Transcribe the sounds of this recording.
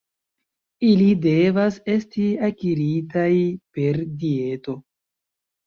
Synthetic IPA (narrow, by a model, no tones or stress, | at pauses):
ilide̞vase̞stiakiɾitajpe̞ɾdie̞to̞